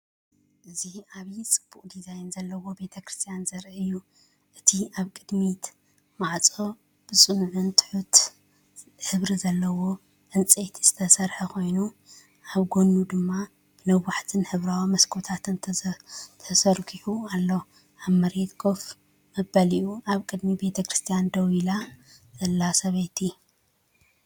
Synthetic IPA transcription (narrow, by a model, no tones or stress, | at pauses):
ʔɨziaβit͡sʼɨb̥ːukʼd̪izajnzɐlːɐwo̞be̞t̪ʰɐkɾɨst̪ʰijanzɐɾʔɨjːu | ʔɨt̪ʰiaβkʼɨd̪mit̪ | maʕt͡sʼo̞ | b̥ɨt͡sʼɨnuʕunt̪ʰɨ̥ħut̪ | ħɨβɾizɐlːɐwo̞ | ʕɨnt͡sʼet̪ʰiz̥ɨ̥t̪ʰɐsɐɾħɐkʰo̞jnu | ʔaβɡo̞nːud̪ɨmːa | b̥ɨnɐaħt̪ʰɨnħɨβɾawimɐskʰot̪ʰat̪ʰɨn | t̪ʰɐsɐɾkʰiħualːo | ʔaβmɐɾet̪ɡʰo̞f | mɐbɐliʔuʔaβkʼɨd̪mibe̞t̪ʰɐkʰɨɾɨst̪ʰijand̪ɐwilazɐlːasɐβɐjt̪ʰi